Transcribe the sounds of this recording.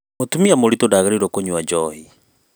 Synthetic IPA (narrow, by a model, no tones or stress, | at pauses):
motumiamoɾitodaɣaɾiɾwɔkoɲwad͡ʒɔhi